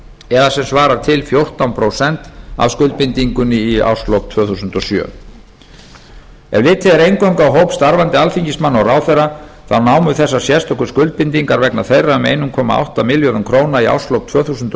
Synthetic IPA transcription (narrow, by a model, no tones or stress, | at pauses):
ɛðasɛmsvaːɾaɾ̥t̪ʰɪlfjowr̥t̪awnpʰɾowsɛnt̪a̰vskʏlt̪̚pɪnt̪iŋkʏnɪia̰wslowp̚t̪ʰvœːθusʏnt̪ɔsjœ̰ | ɛ̰vlɪːt̪ʰɪðɛɾejnkawŋkawɦowpst̪aɾvant̪ɪalfiŋcɪsmanːɔraːwθɛrːaθawnaːwmʏθɛsːasjɛst̪ɔkʏ̥skʏlt̪̚pɪnt̪iŋkaɾvɛknaθejrːaʏmḛjnʏmkʰɔːma̰ʔa̰wht̪amɪljɔðʏmkʰɾoːwnaia̰wslowp̚t̪ʰvœːθusʏnt̪